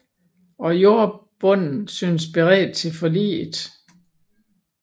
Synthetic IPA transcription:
ɒ̽jo̝ɐb̥ɔ̽n̰n̩syːns̬b̥eʁɛ̰ːd̥̚t͡sʰe̝lfɒ̽lḭːd̥

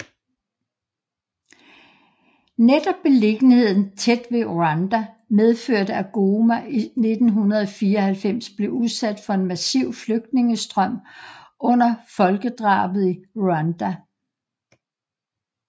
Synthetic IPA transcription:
ned̥ɒ̽b̥ːe̝le̝ɡ̥nhe̝ð̞̰ˠn̩t͡sʰed̥ʋe̝ʔoænd̥æ | með̞ˠføɐ̰dəæɡ̥o̝mæʔine̝d̥n̩ɦunɐð̞̩ˠɒ̽fiːɐɒhælfem̰sb̥le̝uðˠsæd̥fɒ̽e̝nmæsiʊ̰fløɡ̥̚d̥ne̝ŋəsd̥ʁɶm̰ɔ̽n̰ɐfɒ̽lɡ̥əd̥ʁɑ̰̈ːb̥ð̩ˠioænd̥æ

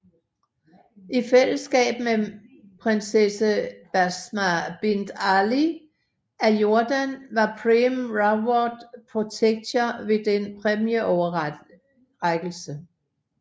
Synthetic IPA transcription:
ʔifel̰əsɡ̥ɛ̰ːb̥me | pʰʁensesəb̥æsmæb̥end̥æli | æjo̝ɐd̥ænʋɑ̈pʰʁimʁɑbɒd̥pʰʁo̝t͡sʰeɡ̥̚t͡sʰɐʋe̝d̥enpʰʁɛmjeʔɒʊɐ | ʁaɡ̥l̩sə

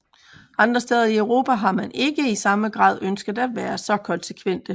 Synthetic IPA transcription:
ɑ̈nd̥ʁɐsd̥eːð̞ˠɐiœʊʁo̝̰ːpʰæɦɑ̈mæne̝ɡ̥əisɑ̈məɡ̥ʁɑ̰̈ːðˠønsɡ̥ð̩ˠæd̥ʋæːɐsɒ̽kʰɒ̽nse̥kʰʋen̰d̥ə

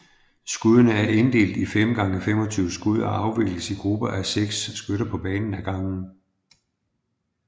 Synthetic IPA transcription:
sɡ̥uð̰ˠɐnəæɐe̝nd̥e̝̰ːld̥ifemɡ̥ɑ̈ŋəfemɒ̽t͡sʰyːʊəsɡ̥uð̞̰ˠɒɑ̈ʊʋe̝ɡ̥ləsiɡ̥ʁub̥ɐʔæɐseɡ̥sːɡ̥øɾɐpʰɒ̽b̥ɛːnn̩æɡ̥ɑ̈ŋn̩

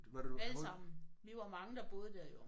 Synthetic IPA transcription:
ʋælssɑ̈m̰n̩ʋeʋɑ̈mɑ̈ŋəd̥ɑ̈b̥o̝ːð̞̩ˠəd̥eɐjo

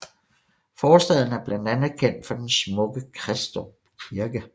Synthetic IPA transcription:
fɒːsd̥ɛð̰ˠn̩æɐb̥lænd̥ænð̩ˠkʰen̰d̥fɒ̽d̥ensmɔ̽ɡ̥əkʰʁɛsd̥o | kʰiɐɡ̥ə

